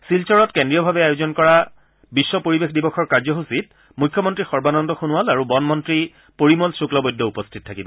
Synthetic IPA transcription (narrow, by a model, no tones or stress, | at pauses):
silt͡ʃɔɹɔtkendɹijɔbʱabɛajozɔnkɔɹa | bisːɔpoɹibexdibɔxʰɔɹkaɹzɔɦusit | mujkʰːɔmɔntɹixɔɹbanɔndɔxunuwalaɹubɔnmɔntɹi | poɹimɔlsuklɔbɔjdʱɔupɔstʰit̚tʰakibɔ